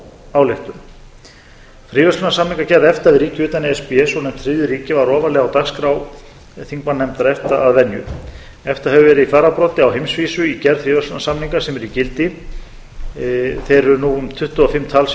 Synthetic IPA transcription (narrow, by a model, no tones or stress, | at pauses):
aːwlɛxt̪ʏm | fɾiːvœrslnasamniŋkacɛɾðɛft̪aðɪɾiːcɪʏːt̪anɛspiɛsɔnɛmt̪ʰɾɪðʏɾiːcɪvaɾɔːvalɛːɣawt̪akskɾaw | θiŋkmanːɛmt̪aɾɛft̪aaðvɛnːjʏ̰ | ɛft̪aɦɛvʏvɛːɾɪðifaːɾapɾɔːt̪ɪawɦejmsviːsʏicɛɾðfɾiːvœrslʏnasamniŋkasɛmɛɾicɪlt̪ɪ | θejɾʏɾnuʏmt̪ʰʏht̪ʏɔfɪmt̪ʰal